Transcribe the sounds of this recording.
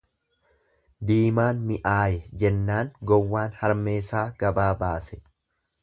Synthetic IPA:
d̪iːmaːnmɪʔaːjɛd͡ʒɛnːaːŋɡɔwːaːnhɐɾmeːsaːɡɐbaːbaːsɛ̥

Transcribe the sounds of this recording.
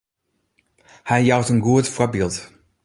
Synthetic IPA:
hɛjjawtənɡuətfɔəbilˠt

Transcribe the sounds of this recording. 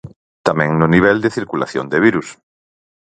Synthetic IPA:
t̪amẽŋnoniβ̞ɛld̪eθiɾkula̰θjõnd̪eβ̞iɾus

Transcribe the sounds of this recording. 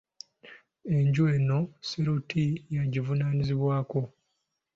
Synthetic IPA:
e̞ɲɟueno̞seɾutijaɟivunaːniziβwaːko̞

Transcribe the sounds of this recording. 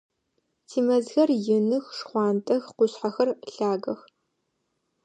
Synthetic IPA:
tʰiːmɐzɣɐrjɪnɨxʂχʷɑːntʼɐxqʷʊsħaxɐrɬaːɣɐx

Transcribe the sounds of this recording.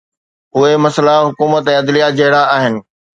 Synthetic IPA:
ɦʊemɐslaɦʊkuːmət̪ɛ̃ːɐd̪lijad͡ʑɐɦɪɽaaːɦɪnɪ̆

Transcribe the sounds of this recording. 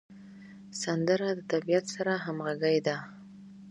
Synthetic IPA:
sand̪əɾad̪ət̪abijat̪saɾaɦamɣaɡəjd̪a

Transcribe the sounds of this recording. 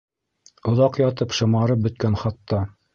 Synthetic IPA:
ŏðɑqjɑt̪ɤpʃɤ̆mɑɾɤp̚bɵ̆t̪̚kænχɑt̪ːɑ

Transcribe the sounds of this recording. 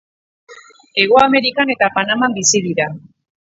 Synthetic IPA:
e̞ɣ̞o̞ame̞ɾikane̞t̪apanamambisiðiɾa

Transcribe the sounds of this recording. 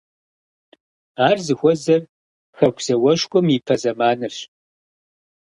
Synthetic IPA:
aːrzɨxʷɔzɐr | xɐkʷʰsɐwɐʃkʷʼɔmipʰɐzɐmaːnɨʂ

